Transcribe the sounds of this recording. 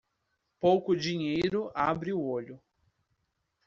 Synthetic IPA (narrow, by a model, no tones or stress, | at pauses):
powkʊd͡ʒiɲejɾʊabɾɪʊoʎʊ